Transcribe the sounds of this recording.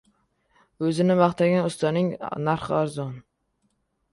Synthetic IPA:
ɵzɪnɪbɑχt̪ʰaɡʲanʊst̪ɒnɪŋnaɾχaɾzɒn

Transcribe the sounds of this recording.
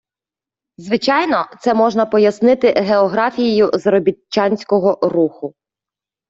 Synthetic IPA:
zʋɪt͡ʃɑjnɔt̪sɛmɔʒnɐpɔjɐsnɪt̪ɪɦeɔɦɾɑfʲijejʊzɾɔbʲit͡ʃːɑnʲsʲkɔɦɔruxʊ

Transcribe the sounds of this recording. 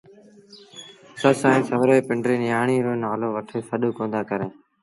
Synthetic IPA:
səsãːĩːsəʋɾoːeːpɪɳɖɾiːnɪjaːɳiːɾoːnaːloːʋəʈʰeːsəɗoːkõːnd̪aːkəɾeː

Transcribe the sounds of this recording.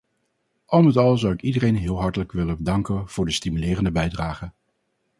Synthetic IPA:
ʔɑlˠnətɑlˠzʌwɪkidərejnɦɪːlˠɦɑɹtələkʋɪləbədɑŋkənv̥ʊːɹdəstimylɪːrəndəbɛjdraːχə

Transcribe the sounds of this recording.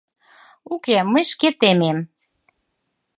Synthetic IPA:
ukeməjʃket̪emem

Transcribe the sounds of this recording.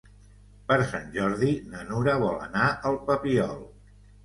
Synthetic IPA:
pəɾsanʲʒɔɾðinənuɾəβɔlə̰naʔəlˠpəpiɔlˠ

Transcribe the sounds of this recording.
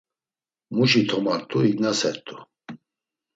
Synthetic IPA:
muʃit̪ʰɔmaɾt̪ʼuiɡnasɛɾt̪ʼu

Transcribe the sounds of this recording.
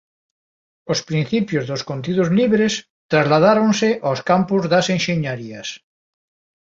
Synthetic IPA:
ospɾin̟θipjozðoskont̪iðozliβɾes | t̪ɾazlaðaɾonseʔawskampozðasenʃeɲaɾias

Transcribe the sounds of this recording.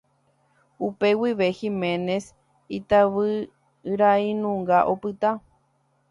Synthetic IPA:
upe̞wiʋe̞himẽnes | it̪aʋɨ | ɨɾainũŋɡaʔopɨt̪a

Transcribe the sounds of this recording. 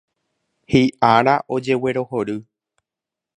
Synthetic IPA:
hiʔaɾaʔo̞d͡ʒe̞we̞ɾo̞ho̞ɾɨ

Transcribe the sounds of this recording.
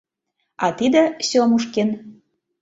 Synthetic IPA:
ɑt̪id̪ə̆sʲomuʃken

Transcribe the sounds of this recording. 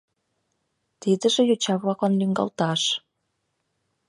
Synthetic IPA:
t̪id̪ə̆ʒĕjot͡ɕɑβlɑkɑnlyŋɡɑ̰lt̪ɑʃ

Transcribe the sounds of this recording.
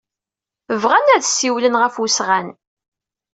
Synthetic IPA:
əvʁænæðsiwlənʁəfusʁan

